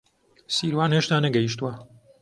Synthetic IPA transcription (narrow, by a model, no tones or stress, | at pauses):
siːɾwaːnheʃt̪aːnɐɡɛiʃt̪uwɐ